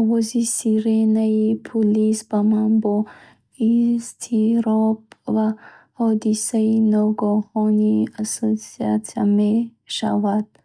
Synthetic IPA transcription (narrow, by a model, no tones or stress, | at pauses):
ɔvɔzisiɾenaipʰulisbamanbɔ | ist̪ʰiɾɔbva | hɔd̪isainɔɡɔhɔniasɔsiat̪ame | ʃa̰vad̪̥